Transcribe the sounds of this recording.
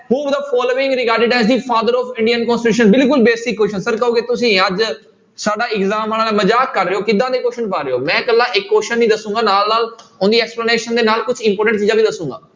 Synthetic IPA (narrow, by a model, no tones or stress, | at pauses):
ɦuːd̪əpʰɔːloːɪ̃ŋɡɾɪɡaːɾɖɪɖɛːzd̪iːpʰaːd̪əɾɔːfɪɳɖiənkɔ̃ːnsʈɪʈuːʃənbɪlkʊlbeːsɪkːoːʃənsəɾkəoːɡeːt̪ʊsĩːəd͡ʒ | saːɖaːɪɡzaːmanãːlɛːməd͡ʒaːkːəɾːeoːkɪd̪ːãːd̪eːkoːʃənpaːɾeoːmɛ̃ːkəlːãːʔɪkːoːʃənːiːd̪əsũːŋɡaːnaːlnaːlʊnd̪iːɛːkspləneːʃənd̪eːnaːlkʊt͡ʃʰɪ̃mpɔːɾʈə̃ɳʈt͡ʃiːãːbiːd̪əsũːɡa̰ː